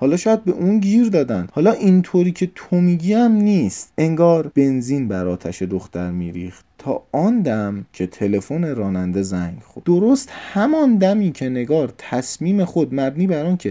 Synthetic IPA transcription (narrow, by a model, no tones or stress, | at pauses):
hɒːlɒːʃɒːjæd̪̚be̞ʔunɟiːɾd̪ɒːd̪ænd̪̥hɒːlɒːʔint̪ʰoɾiːcʰe̞t̪ʰomiːɟiːæmniːst̪e̞ŋɡɒːɾb̥e̞nziːnbæɾɒːt̪ʰæʃe̞d̪oxt̪æɾmḭːɾḭːxt̪t̪ʰɒ̰ːɒːnd̪æmcʰe̞t̪ʰe̞le̞fone̞ɾɒːnænd̪e̞zæŋɡxod̪̥oɾo̞st̪hæmɒnd̪æmiːcʰe̞ne̞ɡɒːɾt̪ʰæsmiːme̞xo̞d̪mæbniːbæɾɒːncʰe̞